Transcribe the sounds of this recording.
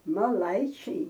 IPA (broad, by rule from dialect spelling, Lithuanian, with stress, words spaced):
mɐˈlˠɐɪt͡ʃʲɛɪ